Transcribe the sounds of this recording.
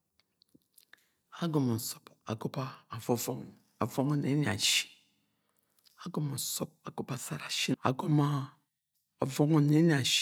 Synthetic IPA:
a˦ɡo˨mo˨n˨so̥˦pa̰˨ɡo˦baː˦˨vo˨vo˦ŋ˨ | a˨vo˦ŋo˦ne˨˦ni˨a̰˨ʃi̥˦ | a˦ɡo˨ma˨so˦p̚a˨ɡo˦ba˨sa˦ɾa˨ʃi˦a̰˨ɡo˦ma˦ | o˨vo˦ŋo˦ne˨˦i˨a˨ʃ

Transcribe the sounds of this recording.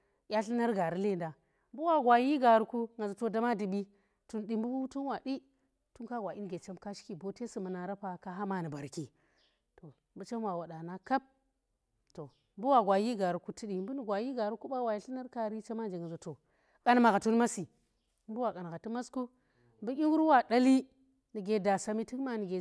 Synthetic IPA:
jʲa˦ɬi˦na˦ɾɡa˨ɾi˦le˦˨nda˨ | m˦bu˦wa˨ɡʷa˨ji˦ɡa˨ɾu˨ku˦ŋa˨zu˨to˨da˦ma˦di˨ɓi˦ | tu˨nɗi˨mbu˦tu˦nwa˨ɗi˦ | tu˦nka˦ɡʷa˨ʔi˦n˦ɡe˨t͡ʃe˦mka˦ʃi̥˦ki˨bo˦te˦si˨mu˨na˨ɾa˦pa˨ka˦ɦa˦ma˨ni˨ba˨ɾki˨ | to˨ | mbu˦t͡ʃe˦mwa˨wa˨ɗa˨na˦ka˦p̚ | to˨ | mbu˦wa˨ɡʷa˨ji˦ɡa˨ɾu˨ku˦ti˦ɗi˨mbu˦nu˨ɡʷa˨ji˦ɡa˨ɾu˦ku˦ɓa˦wa˨ji˨˦ɬi˦na˦ɾka˦ɾi˦t͡ʃa˦ma˦d͡ʒe˨ŋa˨zu˨to˨ | kʼa˨n˨ma˨ɣa˨tu˦n˦ma˦si˨ | mbu˦wa˨kʼa˨n˨ɡa˨tu˦ma˦sku˦ | m˦bu˦kʲi˦ŋɡu˦ɾu˦wa˨da˦li˦ | ni˨ɡe˨da˨sa˨mi˦ti˦kma˦˨ni˨ɡe˨

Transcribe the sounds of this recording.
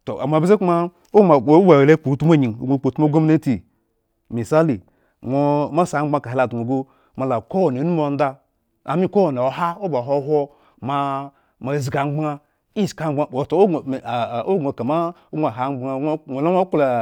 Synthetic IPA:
to̰˨ʔa̰˨m˨a˨bi˦ze˦ku˦ma˦ | o˦ma˨˦ba˨e˨le˦k͡po˨˦tu˦m˦o˦ɲi˨ŋ˨o̰˨ɡʷo˨k͡po˨˦u˦mo˦ɡo˦mi˦ne˦ti˨ | mi˨sa˦li˨ | ŋʷo˦ma˦sa˨˦a˦ka˨i˨la˨du˨o˨ɡo˦ | ma˨la˨ko˦wo˨n˨e˨˦nu˦m˦o˨n̩˦da˧ | a˨mi˦ko˦wo˨na˨o˨ɦa˦o˦ba˨ɦo˦ɦʷo˦ | ma˨ | ma˨zi˨ɡa˨ŋ͡mɡ͡ba˦ | i˦˨ska˨˦a˦˨o˨to˨˦o˦˨o˦ɡʷo˨ka˨ma˦ | o˦ɡʷa˨ɦa˨ŋ͡ma˦ŋʷo˨lo˦o˦kla˨

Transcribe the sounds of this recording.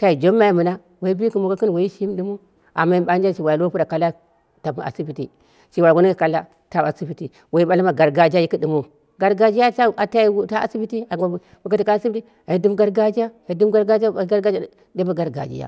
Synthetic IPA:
ka˨i˨d͡ʒo˦mːa˦i˨mu˨na˦ | wa˨i˦bi˦ku˨mu˨ka˦kə˦n˨wa˨i˦ʃi˦m˦du˦mu˦ | a̰˨mːa˦i˦ba˦nd͡ʒa˦ʃi˨wa˨lo˦pu˦ɾa˨ka˨la˦ | ta˨b̰a̰˨si˦pi˨tḭ˨ | ʃi˨wa˨ɡo˦ni˦a˨ka˨la˦ | ta˨a˨si˦bi˨ti˨ | wa˨i˦ma˦la˦ma˨ɡa˨ɾɡa˨d͡ʒa˦ji˦ki˦du˨mu˨ | ɡa˨ɾɡa˨d͡ʒi˦ja˦a˦a˨ta˦i˦wu˦ta˦a̰˨si˦bi˦ti˦a˨ɡa˨ | mu˨ka˦ti˨ka˦si˦bti˦ | a˨i˦du˦m˦ɡa˦ɾɡa˦d͡ʒa˦a˨i˦du˦m˦ɡa˦ɾɡa˦d͡ʒa˦˨˦ɡa˦ɾɡa˦d͡ʒa˦ | de˦bu˦ɡa˨ɾɡa̰˨d͡ʒḭ˦ja̰˦˨

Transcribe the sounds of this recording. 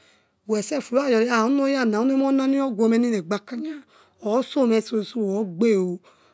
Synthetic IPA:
wɛ˨sɛ˦˨fu˨ɾa˦˨jɔ˨˦a˦˨u˦no˦ja˦˨nã˨˦u˦e˦ɔ˦nã˦nĩ˦ɔ˦ɡʷɔ˧me˧nĩ˦ne˨ɡ͡ba˧ka˦ɲa˦ | ɔ˨˦so˦˨mɛ˧˨so˧˨su˦wɔ˨˦ɡ͡be˦˨o˨

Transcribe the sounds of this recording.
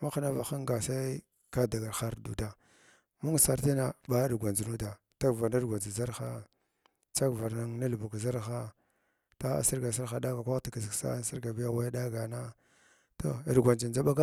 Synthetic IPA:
ma˦xa˦na˦va˨xa˦ŋɡa˨sa˦ | ka˦da˨ɡa˨ɾxa˦ɾdu˨da˨ | mu˦ŋ˨sa˨ɾti˦na˨ba˦dɡʷa˨nd͡ʒi˨nu˦da˨ | t͡ʃa˦ɡva˨ɾna˦ɾɡʷa˨nd͡ʒi˨za˦ɾxa˦ | t͡ʃa˦ɡva˨ɾna˦ŋna˦lbu˨kza˦ɾxa˦ | ta˦a̰˨si˦ɾɡa˨sa˦ɾa˨da˦ɡa˨kʷa˦ti˨ka˨zi˨ksa̰˦n˦si˦ɾɡa˨bi˦ja˦wa˦da˦ɡa˨na˦ | to̰˦˨ɾɡʷa˨nd͡ʒi˨nd͡ʒa˦ba˦ɡa˦

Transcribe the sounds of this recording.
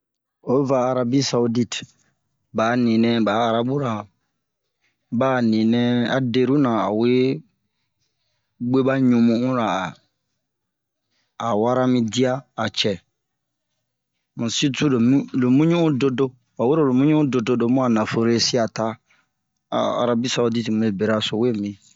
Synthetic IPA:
o˦vaː˨ɾa˧˦bi˦sa˨u˦di˦t | ba˨˦nĩ˨nɛ̃˦baː˨˦˨ɾa˦bu˦ɾa˨ | baː˦˨nĩ˨nɛ̃˦a̰˨de˨ɾu˦nã˨a̰˨we˦ | ɡ͡be˦ba˦ɲũ˨mũ˨˦ũ˦ɾa˨ | a˨wa˦ɾa˦mĩ˦di˦a˦a˨t͡ʃɛ˨ | mũ˨si˦tu˦lo˨mũ˦lo˨mũ˦ɲũ˦ũ˦do˦do˦ | wa˨we˦ɾo˦˨lo˨mũ˦ɲũ˦ũ˦do˨do˦do˦mũ˦a˨nã˨fo˨ɾe˦si˦a˨ta̰˦ | a̰˨ɾa˦bi˦sa˦di˦ti˨mũ˨e˦be˨ɾa˦so˨we˦˨mĩ˦

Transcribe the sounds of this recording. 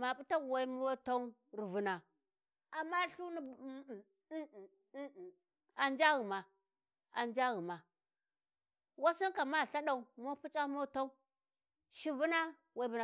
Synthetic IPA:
ma˨pu˦ta˦˨wa˨˦i˦m˦o˦ta˦u˦ | ɾi˨vu˨na˨ | a˨ma˦ɬu˦ni˦˨˦ | a˨nd͡ʒa˦ɣu˨ma˨ | a˨nd͡ʒa˦ɣu˨ma˨ | wa˦si˦nka˨ma˦˨ɬa˦ɗa˨u˨mo˦pu˦t͡ʃʼa˦mo˦ta˦u˦ | ʃi˦vu˦na˦ | wa˨i˦bu˨na˨

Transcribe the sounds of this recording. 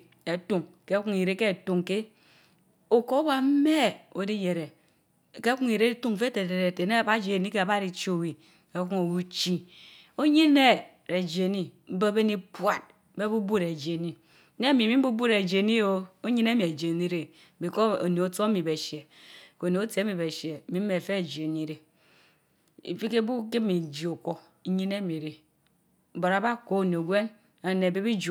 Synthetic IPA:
e˨tu˨ŋke˦ku˦ŋi˨ɾe˦ke˦˨tu˨ŋke˦ | o˨ko˦o˦ba˦m̩˦me˦o˨˦di˦je˨ɾe˨ | ke˦ku˦ŋi˨ɾe˦i˦tu˦ŋ˨fe˦te˨te˨ɾe˨te˨ne˦a˨ba˦d͡ʒe˨ni˦ke˦a˨ba˦ɾi˨t͡ʃo˦˨wi˨ | ke˦ku˦ŋo˨wu˦t͡ʃi˦ | o˦ɲi˦ne˦ | ɾe˨d͡ʒe˨ni˦m̩˦be˦be˦ni˦pa˨t̚be˦bu˦bu˦ɾe˨d͡ʒe˨ni˦ | ne˦mi˨mi˦m̩˦bu˦bu˦ɾe˨d͡ʒe˨ni˦o˦o˦ɲi˦ne˦mi˨e˨d͡ʒe˨ni˦ɾe˨ | bi˨ko˦o̰˨ne˨o˨˦to˦mi˨be˨ʃje˨ | ko˨ne˨o˦tmi˨be˨ʃe˨mi˨˦m̩˦e˨fe˦e˨d͡ʒe˨ni˦ɾe˦ | ḭ˨fi˦ke˦bu˦ke˦mi˨d͡ʒi˨o˨ko˦ | ɲi˦ne˦mi˨ɾe˨ | bo˨ɾa˦ba˦ko˦o˨n˨ɡʷe˦n | a˨ne˨be˦bi˦d͡ʒ

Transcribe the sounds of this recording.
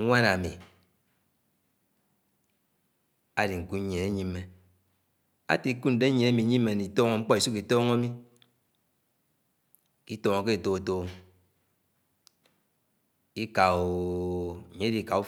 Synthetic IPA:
ŋʷa˦na˨mḭ˨ | a˨di˨ŋ̩˨ku˦ɲ˦ɲe˨e˦ɲi˦mːe˦ | a̰˦ti˨˦ku˦n̩˨de˦ɲ˨e˨˦e˦mi˨˦ɲi˦mː˦e˨ni˨tɔː˦ŋo˨ŋ͡m̩˦k͡pɔ˦i˨su˦ki˨tɔː˦ŋo˦mi˦ | ki˦tɔ˨ŋo˨ke˦˨to˨o˨to˦ | ki˦ka˨o˨ | ɲe˦di˨ka˨u˦

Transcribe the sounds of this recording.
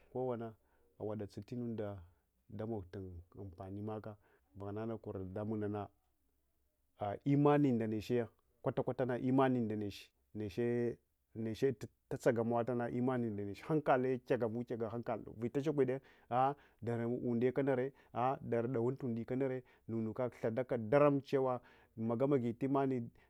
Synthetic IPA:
ko˦wa˨na˦ | a̰˨wa˨da˨t͡si˨ti˦nu˦n˦da˨ | da˦ma˨ɡta˨na̰˨m˨pa˨ni˦ma˦ka˦ | va˨ɣna˦na˦ku˨ɾda˦mu˦na˨na˦ | a˨ʔi˦ma˦ni˨nda˨ne˨ʃe˦ja˦ | kʷa˦ta˦kʷa˦ta˦na˨ʔi˦ma˦ni˨nda˨ne˨ʃi̥˨ | ne˨ʃe˦ | ne˨ʃe˦ta˦t͡sa˦ɡa˨ma˦wa˦ta˦na˨ʔi˦ma˦ni˨nda˨ne˨ʃha˦ŋka˨le˦kʲa˦ɡa˨vu˦ka˨ɡa˨ɦa˦ŋka˨l̰vi˨ta˦ʃ̬e˦kʷi˦˨de˦ | a˦ | da˨ɾu˨nde˦ka˦na˨ɾe˦ | a˦da˨ɾda˨wu˦n˦tu˨ndi˨ka˦na˦ɾe˦ | nu˨nu˨ka˦ɬa˨da˦ka˨da˦ɾa˦mt͡ʃe˦wa˦ | ma˨ɡa˦ma˨ɡi˨ti˦ma˦ni˨

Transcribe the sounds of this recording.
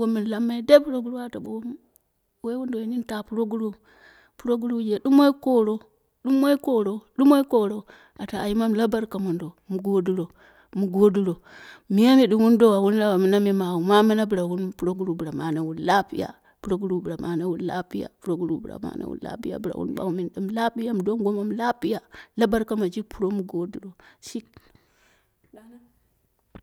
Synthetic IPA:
wo˦mi˨n˨la˦mːa˦i˦de˦pu˦ɾo˦ɡu˦ɾu˦wa˦˨ta˨bo˨wo˦ | we˦wu˦ndo˨i˦ni˦n˦ta˨pu˦ɾo˦ɡu˦ɾu˦ | pu˦ɾo˦ɡu˦ɾu˦d͡ʒe˨ɗu˦m˦o˦i˦ko˦ɾo˦ | ɗu˦mwo˦i˦ko˦ɾo˦ɗu˦mo˦i˦ko˦ɾo˦ | a˨taː˨i˦ma˦mla˦ba˦ɾka˨mu˨ndo˨mu˨ɡo˦du˦ɾo˨ | mu˨ɡo˦du˦ɾo˨ | mi˦ja˦mi˨ɗi˦mwu˦ndo˦wa˨wu˦n˦la˦wa˨mi˦na˦mi˦ma˨u˨ma˦mi˦na˦bi˨ɾa˨wu˦npu˨ɾo˦ɡu˦ɾu˨bɾa˨ma˨na˨˦wu˦nla˦pḭ˦ja̰˨ | pu˨ɾo˦ɡu˦ɾu˨bɾa˨mʔa˨na˦wu˦n˦la̰˦pi˦ja̰˨pu˦ɾo˦ɡu˦ɾu˨bɾa̰˨ma̰˨˦na̰˦wṵ˦nla̰˦pi˦ja̰˨bi˨ɾa̰˨wṵ˦nɓa̰˨wu˦mi˨nɗi˦mla˦pi˦ja˦m˨do˦ŋɡo˦ma˦m˦la˦pi˦ja˨la˦ba˦ɾka˦ma˨d͡ʒi˦pu˨ɾo˦mu˨ɡo˦du˨ɾo˨ʃi˦k | a˨˦

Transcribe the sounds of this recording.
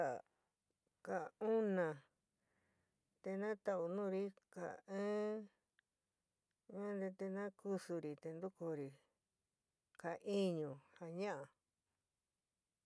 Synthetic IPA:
a˧˨ | ka˨˧ũ˦nã˨ | t̪e˧nã˦t̪a˧ʔu˧nũ˦˧ɾi˦ka̰˨ɨ̃ː˦ | ɲã˦nd̪e˧t̪e˧nã˦ku˧su˧ɾi˧t̪e˧nd̪u˦ko˧ɾi˧˨ | ka˨ʔi˦ɲũ˨ha˧ɲã˦ʔa˨

